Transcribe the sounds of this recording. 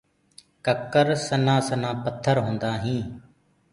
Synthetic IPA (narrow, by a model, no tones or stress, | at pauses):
kəkːəɾsənãːsənãːpət̪ʰːəɾɦõːnd̪aːɦĩː